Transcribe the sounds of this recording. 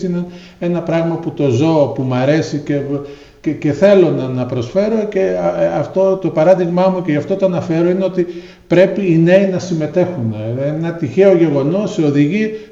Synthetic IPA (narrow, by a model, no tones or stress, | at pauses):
inɐn | e̞nɐpɾɐɣmɐput̪o̞zo̞ːpumɐɾe̞sice̞ | ce̞θe̞lo̞nɐnɐpɾo̞sfe̞ɾo̞ce̞ɐft̪ot̪o̞pɐɾɐðiɣmɐmuce̞ʝɐft̪o̞t̪oɐnɐfe̞ɾo̞ineo̞t̪i | pɾe̞piːne̞inɐsime̞t̪e̞xunenɐt̪içe̞o̞ʝe̞ɣo̞no̞sːeo̞ðiʝi